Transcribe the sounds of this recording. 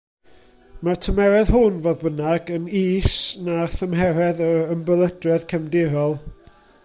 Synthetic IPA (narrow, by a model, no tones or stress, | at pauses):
matʰəmɛɾɛðɦʊnvoːðbənaɡəniːsnaθəmɦɛɾɛðəəmbəlˠədrɛð̥kʰɛmdɪɾɔlˠ